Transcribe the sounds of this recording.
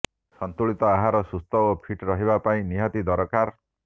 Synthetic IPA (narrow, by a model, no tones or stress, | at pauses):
sɔnt̪uɭit̪ɔaɦaɾɔsust̪ɔopʰiʈɾɔɦibapaĩniɦɔt̪id̪ɔɾɔkaɾ